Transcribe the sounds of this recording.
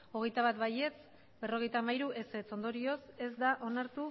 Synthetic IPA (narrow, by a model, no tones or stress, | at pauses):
o̞ɣ̞e̞jt̪aβat̪βaje̞t͡s | be̞ro̞ɣ̞e̞jt̪aːmajɾuʔe̞se̞t͡so̞nd̪o̞ɾio̞se̞zd̪aʔo̞naɾt̪u